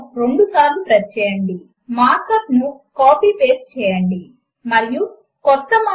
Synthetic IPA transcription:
ɾo̞ɳɖusaːɾlupɾɐt̚t͡ʃɛːjɐɳɖi | maːɾkɐtnukaːpiːpeːp̚t͡ʃɛːjɐɳɖi | mɐɾiju | kɔt̪ːɐm

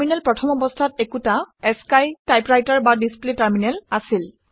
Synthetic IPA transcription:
minɛlpɹɔtʰɔmɔbɔstʰatekutaɛskajtajpɹajtaɹbadispletaɹminɛlasil

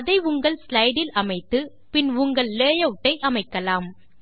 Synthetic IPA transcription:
ɐðɐɪʊŋɡɐɭslɐɪɽɪlʔɐmɐɪt̪ːɯ | pɪnʊŋɡɐɭleːjɐʈːɐɪʔɐmɐɪkːɐlaːm

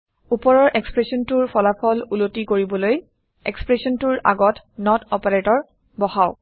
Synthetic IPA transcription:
upɔɹɔɹʔekspɹesiɔntuɹpʰɔlapʰɔlulotikoɹibɔloj | ḛkspɹesiɔntuɹa̰ɡɔt | nɔtɔpaɹetɔɹ | bɔhaʊ

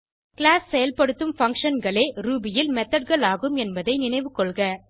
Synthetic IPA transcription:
kɪɭaːsːɛjɐlpɐɽɯt̪ːɯmfɐŋkʂɐnɡɐɭeːɾuːbɪjɪlmɛt̪ːɐɖ̚ɣɐɭaːɣɯmɛnbɐðɐɪnɪnɐɪʋɯkːɔɭɣɐ

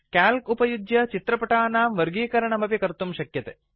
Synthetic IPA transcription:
kaːlkupɐjud͡ʒjɐt͡ʃit̪ɾɐpɐʈaːnaːmʋɐɾɡiːkɐɾɐɳɐmɐpikɐɾt̪umʃɐkjɐt̪e

